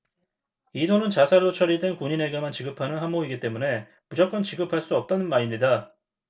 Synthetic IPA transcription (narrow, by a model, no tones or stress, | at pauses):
idonɯnt͡ɕasʰaɾot͡ɕʰʌɾidwenkuɲine̞ɡemant͡ɕiɡɯpʰanɯnɦamboiɡit͈e̞mune̞ | mud͡ʑak͈ʌnt͡ɕiɡɯpʰaɭs͈uʌp̚t͈anɯnmaɾimɲida